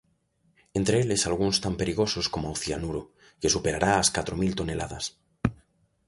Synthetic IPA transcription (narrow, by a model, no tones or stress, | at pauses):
e̞nt̪ɾeelesalɣunst̪ampeɾiɣ̞o̞sosko̞moawθjanuɾo | ke̞supe̞ɾaɾaːskat̪ɾo̞milt̪o̞ne̞laða̰s